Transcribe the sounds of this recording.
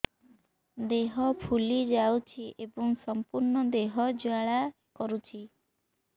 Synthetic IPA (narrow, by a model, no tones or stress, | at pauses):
d̪eɦɔpʰulid͡ʒawt͡ʃʰiʔebɔŋsɔmpuɾɳɔd̪eɦɔd͡ʒaɭa | kɔɾut͡ʃʰi